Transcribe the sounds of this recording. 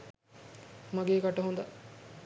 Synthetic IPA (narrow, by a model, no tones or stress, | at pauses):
maɡeːkaʈɐɦund̪ɐ